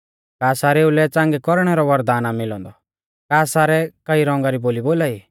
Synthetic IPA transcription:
kaːsaːɾeːulɛt͡sãːŋɡɛkɔɾɽ̃ɛɾɔʋɐɾd̪aːnamɪlɔ̰̃nd̪ɔ | kaːsaːɾɛkɐiɾɔ̃ŋ̆ɡaɾiboːliboːlaːiː

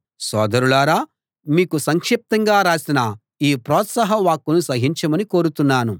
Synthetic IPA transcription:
sɔːd̪ɐɾulaːɾaː | miːkusɐŋkʂip̚t̪ɐŋɡaːɾaːsinɐ | iːpɾɔːt̪sɐɦɐʋaːkːunusɐɦiɲt͡ʃɐmɐnikoːɾut̪unːaːnu

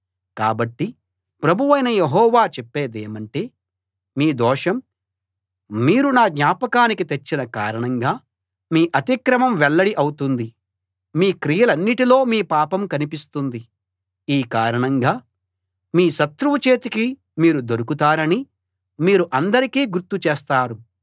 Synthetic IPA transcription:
ka̰ːbɐʈːi | pɾɐbʱuʋɐjnɐjeɦɔːʋaːt͡ʃɛpːeːd̪eːmɐɳʈe̞ː | miːd̪ɔːʂɐm | miːɾunaːɡ̪ɲaːpɐkaːnikit̪et͡ʃːinɐka̰ːɾɐɳɐŋɡaː | miːʔɐt̪ikɾɐmɐmʋɛɭːɐɽiʔɐwut̪und̪i | miːkɾijɐlɐnːiʈilo̞ːmiːpaːpɐmkɐnipist̪und̪i | iːkaːɾɐɳɐŋɡaː | miːʃɐt̪ɾuʋut͡ʃe̞ːt̪iki | miːɾud̪oɾukut̪aːɾɐni | miːɾuʔɐnd̪ɐɾikiːɡuɾt̪ːut͡ʃeːst̪aːɾu

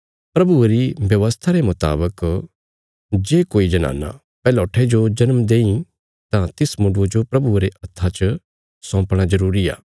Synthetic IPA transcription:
pɾɐbueɾibjɐʋəst̪ʰaɾemʊt̪a̰ːbək | d͡ʒeːkoːid͡ʒɐna̰ːna̰ | pɛːlɔːʈʰed͡ʒod͡ʒɐnmd̪eːĩ | t̪ãt̪ɪsmʊ̃ɖod͡ʒopɾɐbueɾeʔɐt̪ʰːat͡ʃ | sɔ̃ːpɽ̃azɐɾuːɾia̰ː

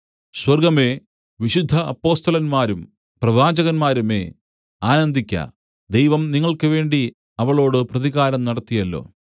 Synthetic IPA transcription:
swɐrɡɐme̞ː | ʋiɕud̪ʱːɐɐpːo̞ːst̪ɐlɐnmaːɾum | prɐʋaːd͡ʑɐɣɐnmaːɾume̞̰ː | aːnɐnd̪ʱikʲːɐ̰ | d̪e̞jʋɐmniŋːɐɭkɨʋe̞ːɳɖi | ɐʋɐɭo̞ːɽɨprɐðiɣaːɾɐmnɐɽɐt̪ːijɐlːo̰ː

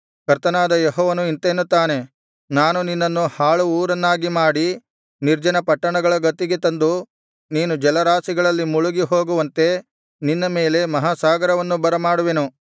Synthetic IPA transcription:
kɐɾt̪ɐnaːd̪ɐjeɦɔːʋɐnuint̪enːut̪ːaːne̞ | naːnuninːɐnːuhaːɭuːɾɐnːaːɡimaːɽi | niɾd͡ʒɐnɐpɐʈːɐɳɐɡɐɭɐɡɐt̪ːiɡe̞t̪ɐnd̪u | niːnud͡ʒɛlɐɾaːsiɡɐɭɐlːimuɭuɡiɦo̞ːɡuʋɐnt̪e̞ | ninːɐmeːle̞mɐɦasaːɡɐɾɐʋɐnːubɐɾɐmaːɽuʋenu

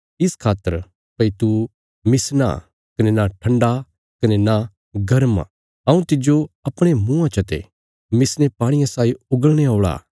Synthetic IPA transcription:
ɪskʰaːt̪ːəɾ | pɐit̪u | mɪsna̰ | kɐnenaʈʰɐ̃ɳɖa | kɐnena | ɡɐɾm | ɐũt̪ɪd͡ʒoɐpɽ̃emũːãt͡ʃʰɐt̪ḛ | mɪsnepãːɽ̃ɪjãsaːiʊɡəɭɽ̃eaːɭa̰ː

